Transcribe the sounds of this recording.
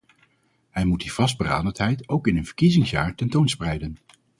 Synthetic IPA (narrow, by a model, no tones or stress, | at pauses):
ɦɛjmut̚div̥ɑsd̚bəra̰ːdəntɦɛjtowkɪnənv̥əɹkizɪŋsjaːɹtɛntownsprɛjdən